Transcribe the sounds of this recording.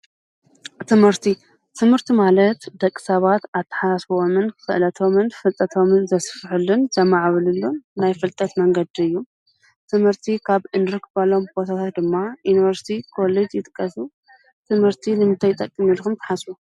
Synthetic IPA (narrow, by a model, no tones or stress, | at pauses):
t̪ʰɨmhɨɾt̪ʰi | t̪ʰɨmhɨɾt̪ʰimalɐt̪d̪ɐkʼːɨ̥sɐβat̪at̪ʰːɐ̥ħasasfomɨnɨxɨ̰ʔlɐt̪ʰo̞mɨnfɨt̪ʼːɐt̪ʰo̞mɨnzɐsfħɨlːunsɐmːaʕβɨlɨlːunajfɨlt̪ʼɐt̪mɐŋɡɐd̪iɨjːu | t̪ʰɨmhɨɾt̪ʰikʰaβʔɨnd̪ɾɨkbalo̞mbot̪ʰat̪ʰat̪d̪ɨmːajunivɐɾsi̥t̪ʰikʰo̞led͡ʒjɪt̪ʼɨ̥kʼːɐsu | t̪ʰɨmhɨɾt̪ʰinɨmɨt̪ʰajt̪ʼɐkʼːɨmilkumt̪ʰɐ̥ħasu